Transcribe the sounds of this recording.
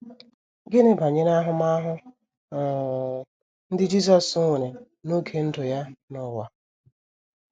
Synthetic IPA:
ɡɪ˦ne˨ba˨ɲe˦n˦a˦ɦʊ˦ma˦ɦʊ˦˨ | n̩˦dɪ˦d͡ʒi˦s̬ɔ˨sʊ˦ŋʷe˨ne˨ | no˦kʰe˨n̩˦dʊ˨ja˦nʊ˦wa˨

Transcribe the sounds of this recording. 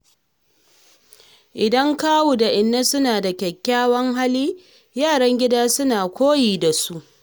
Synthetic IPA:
ʔɪ˨dɐ˦ŋkaː˦wu˨da˨ʔɪ˨nːa˦sʊ˦naː˨da˨kʲɛ˨kʲːaː˦wɐ˦ŋɦa˦liː˦ | jaː˦˨ɽɐ˦ŋɡʲɪ˦daː˦sʊ˦naː˨kʷoː˦jiː˨da˨su˦ʔ

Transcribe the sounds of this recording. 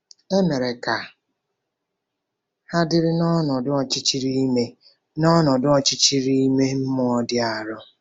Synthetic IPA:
e˦me˨ɾe˨ka˨ | ha˦dɪ˦ɾɪ˦nɔ˦nɔ˨dʊ˦ɔ˨t͡ʃɪ˦t͡ʃi˦ɾi˦me˦ | nɔ˦nɔ˨dʊ˦ɔ˨t͡ʃɪ˦t͡ʃi˦ɾi˦me˦m̩˦mʊ˦ɔ˦dɪ˦a˨ɾʊ˦

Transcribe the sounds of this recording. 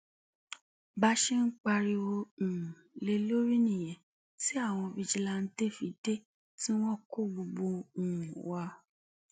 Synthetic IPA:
ba˦ʃe˦ŋ̩˦k͡pa˧ɾi˧wõ˧˨ũ˨le˨˦lo˦ɾi˦nĩ˦˨j̃ɛ̃˨ | ti˦a˦˨w̃ɔ̃˧bi˧d͡ʒi˧la˧n̩˦te˦˨fi˨˦de˦ | tĩ˦w̃ɔ̃˦˨ko˦˨ɡ͡bo˧ɡ͡bo˧ũ˨ũ˨wa˧

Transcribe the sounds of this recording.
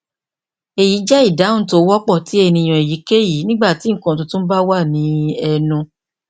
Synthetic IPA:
e˨ji˨˦d͡ʒɛ˦i˦˨da˨˦n̩ũ˦to˧˦wɔ˦k͡pɔ˦˨ti˨˦e˦˧nĩ˧j̃ɔ̃˨e˨ji˨˦ke˦ji˨˦nĩ˦ɡ͡ba˦˨ti˨˦ŋ̩˦˨kã˧˨tõ˧tũ˦n̩˦ba˦wa˦˨nĩ˨˦ɛ˧nũ˧

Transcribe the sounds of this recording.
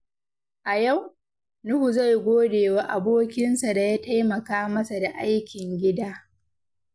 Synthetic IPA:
ʔa˨ja˦˨w | nʊ˦hu˨za˦˨jɡʷoː˦deː˨wa˦ʔa˨boː˦kʲɪ˦nsa˨da˨jaː˦ta˦jmɐ˨kaː˦mɐ˦sa˨da˨ʔa˦jkʲɪ˨ŋɡʲɪ˦daː˦

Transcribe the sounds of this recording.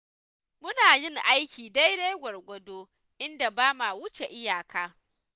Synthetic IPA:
mʊ˦naː˨jɪ˦˨ŋʔa˦jkʲiː˨da˦jɽa˦jɡʷɐ˨rɡʷɐ˨doː˦ | ʔɪ˦nda˨baː˦ma˨wʊ˦t͡ʃe˨ʔɪ˦jaː˨kaː˦

